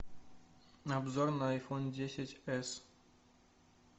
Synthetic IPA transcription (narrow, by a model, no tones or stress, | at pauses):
nabzɔɾnaajfɔnd͡ʑeɕet͡ɕɛs